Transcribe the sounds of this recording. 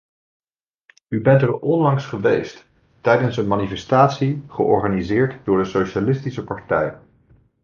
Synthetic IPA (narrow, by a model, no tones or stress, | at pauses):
ybɛntəɹɔnlɑŋsχəʋejst | tɛjdənsənmaːnifɛstaːtsiχə̰ʔɔ̰ɹχaːnizɪːɹtdʊːɹdəsowʃalɪstisəpɑɹtɛj